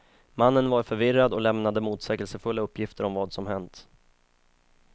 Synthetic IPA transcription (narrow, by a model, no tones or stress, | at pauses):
manːənvaɾfœɾvɪɾːad̪ɔlɛmnad̪əmuːt̪sɛːɡɛlsəfɵlːaɵpːjɪft̪əɾɔmvɑːd̪sɔmhɛnt̪